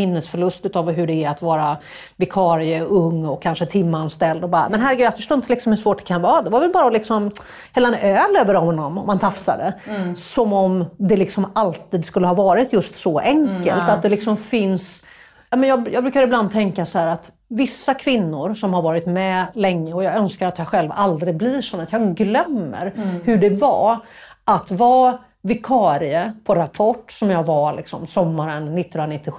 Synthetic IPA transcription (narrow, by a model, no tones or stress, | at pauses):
ɪnːəsfœɭɵst̪ʉ̟ːt̪ɑːvɦɵɖɛːɾat̪vɑːɾa | vɪkʰɑːɾɪəɵŋːɔkʰːanʂət̪ʰɪmːanst̪ɛld̪ɔbɑːɾa̰mɛnɦæɾɡɛjafœ̥ʂʈoːɪnt̪əlɪksɔmhɵʂvoːʈ̚d̪ɛ̥kʰanvɑːɾad̪ɛvaɾvɛlbɑːɾalɪksɔm | hɛlːanʔøːløːvəɾɔmɔnɔmɔmːant̪ʰafsa̰d̪əsɔmɔmd̪ɛlɪksɔmalt̪iːd̪skɵlːəhɑːvɑːɾɪt̪jɵst̪sɔʔɛŋkəlt̪at̪̚d̪ɛlɪksɔmfɪns | jɑːmɛnjɑːɡjɑːɡbɾʉ̟kaɾɪbland̪̚t̪ʰɛŋkasɔhæːɾat̪ | vɪsːakʰvɪnːʊɾsɔmhaɾvɑːɾɪt̪mɛlɛŋːəɔjɑːɡœnskaɾat̪jɑɧɛlva̰ld̪ɾɪɡbliːʂɔnːɛt̪jɑːɡɡlœmːə̰ɾhɵɖɛva | ʔat̪vɑː | vɪkʰɑːɾɪəpʰɔɾapʰɔʈːsɔmjɑːɡvalɪ̰ksɔmsɔmːaɾənːɪt̪ːnnɾanɪt̪ːɪx